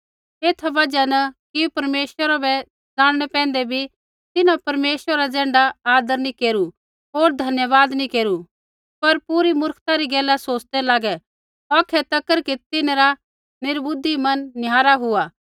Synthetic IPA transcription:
eːt̪ʰʋɐd͡ʒanɐkipɐɾmeːswəɾabɛ | d͡zaːɽ̃ɽ̃ɛpɛ̃ːnd̪ɛbʱi | t̪ɪnãpɐɾmeːswɾɾad͡zɛ̃ːɳɖaaːd̪əɾnĩkeːɾu | oːɾd̪ʱɐnjəʋaːd̪nikeːɾu | pɐɾpuɾimʊɾkʰt̪ãɾiɡɛːlːasoːt͡ʃd̪ɛlaːɡɛ | ɔːkʰɛt̪ɐkːəɾkit̪ɪnaɾa | nɪɾbʊd̪ːimɐnːɪjaːɾaɦʊaː

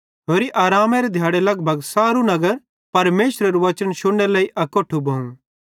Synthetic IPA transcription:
ɦoːɾiʔaːɾaːmeɾed̪ʱjaːɽelɐɡbʱɐɡsaːɾunɐɡəɾ | pɐɾmeːʃɾɐɾuʋɐt͡ʃənʃʊɽɽelɐiʔɐkoʈʰːubʱɐ̃ːũ

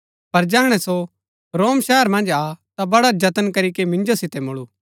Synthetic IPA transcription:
pɐɾd͡ʒɛːɦɽ̃ɛso | ɾoːmʃɛːəɾmɐ̃nd͡ʒat̪abɐɽad͡ʒɐt̪ənkɐɾik̬emɪ̃nd͡ʒosɪt̪ɛmʊɭuː

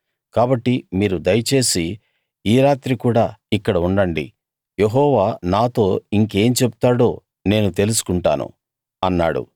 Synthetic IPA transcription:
kaːbɐʈːimiːɾud̪ɐjɐt͡ʃe̞ːsiː | ɾaːt̪ɾikuːɽaːikːɐɽɐuɳɖɐɳɖḭ | je̞ɦɔːʋaːnaːt̪o̞ːiŋke̞ːmt͡ʃebu̥t̪aːɽo̞ː | ne̞ːnut̪e̞lus̬u̥kuɳʈa̰ːnṵ | ɐnːa̰ːɽṵ

